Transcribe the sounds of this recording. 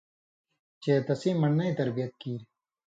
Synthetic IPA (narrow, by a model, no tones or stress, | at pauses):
t͡ɕeːt̪ɐsĩːmɐnnɐĩt̪ɐɾbijɐt̪̚kiːɾi